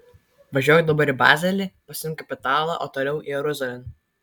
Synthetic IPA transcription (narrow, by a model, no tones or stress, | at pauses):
ʋɐʒʲoːjʊd̪ɐbɐɾiˑbɑ̰ːzʲɛlʲiːpɐsʲɪʊŋkɐpʲɪt̪ɑːlˠɑ̰ʔoːt̪oːlʲɛʊʔiɛɾʊzʲɐlʲɛn